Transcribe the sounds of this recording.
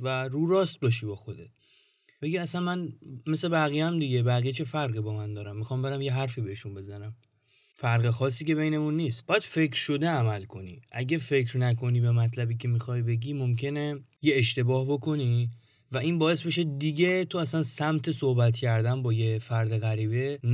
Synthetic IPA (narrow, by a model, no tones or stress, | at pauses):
væɾuːɾɒːst̪̚bɒːʃiːbɒːxo̞d̪e̞t̪̚ʰ | be̞ɟiæsænmænme̞se̞bæɣijæmd̪iɟe̞bæɣijet͡ʃʰe̞fæɾɣibɒːmænd̪ɒːɾæmːixɒːmbe̞ɾæmje̞ɦæɾfiːbeheʃunbe̞zænæm | fæɾɣexɒːsiːce̞βejne̞munːiːst̪̚bɒːjæd̪̥fe̞cʰɾʃo̞d̪e̞æmælkʰo̞nḭːʔæɟefe̞kɾnækʰo̞niːbemæt̪ʰlæbiːcʲʰe̞mixɒjbe̞ɟiːmomcʰe̞nejeːʃt̪e̞bɒːhbo̞kʰo̞ni | væiːnbɒːje̞sbe̞ʃ̬ed̪iɟe̞t̪ʰoæsænsæmt̪ʰe̞sohbæt̪cʰæɾd̪ænbɒːje̞fæɾd̪e̞ɣæɾiːbe̞